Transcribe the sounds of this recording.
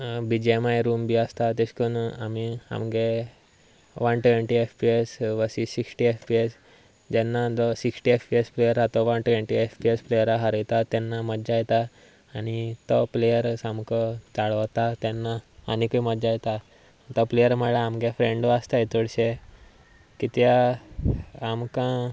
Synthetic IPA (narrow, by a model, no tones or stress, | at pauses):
bid͡ʑemajɾumbiəst̪at̪eskuna̰mia̰mɡe | ʋanʈʋeɳʈiefpiesʋəsisiksʈiefpies | d͡ʑɛnːad̪ɔsiksʈiefpiesplejəɾɦat̪ɔʋanʈʋẽɳʈiefpiesplejəɾaɦaɾəjt̪at̪ɛnːaməd͡ʑajɛt̪aː | ɽ̃it̪ɔplejəɾsãmkət͡saɭət̪at̪jɛnːa̰ːnikəiməd̪d͡ʑajɛt̪a | t̪ɔplejəɾməɭaamɡefɾẽɳɖast̪ait̪uɽɕe | kit̪ja | mkã